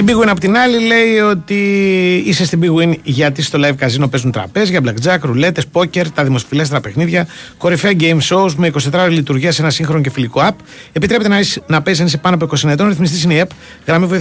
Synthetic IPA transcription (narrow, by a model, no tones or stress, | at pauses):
t̪ibiɣwinɐpo̞t̪inɐlile̞io̞t̪iisest̪ibiɣwinʝɐt̪̬isst̪o̞lɐjvkɐzino̞pe̞zunt̪ɾɐ̰pe̞zʝɐblɐkd͡zɐkɾule̞t̪e̞spo̞ce̞ɾt̪ɐðimo̞sfilest̪eɾɐpexniðʝɐko̞ɾifeɐɟejmso̞uzme̞ikosit̪e̞t̪ɾɐoɾilit̪uɾʝiɐsenɐsiŋxɾo̞noce̞filikoɐp | e̞pit̪ɾeet̪enɐpeis̬ɐnisepɐnoɐpoikosienɐet̪o̞nɾiθmist̪isineiep | ɣɾɐmivi